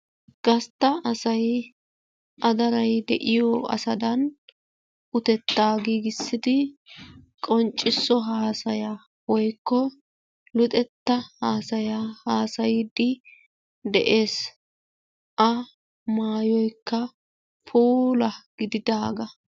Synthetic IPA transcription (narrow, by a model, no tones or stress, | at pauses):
ɡ̥ɐst̪ːɐɐsɐj | ʔɐd̪ɐɾɐjd̪ɛ̰ʔɪjɔʔɐ̰sɐd̪ɐn | ʔʊt̪ɛt̪ːaːɡiɡɪsːɪd̪ɪ | kʼɔnt͡ʃʼːɪsːɔɦaːsɐja | wɔjkːɔ | lʊt̪ʼɛt̪ːɐhaːsɐjahaːsɐjɪd̪ɪ | d̪ɛʔe̞ːs | ʔɐ | maːjɔjkːɐ | fuːlɐɡ̥ɪd̪ɪd̪aːɡɐ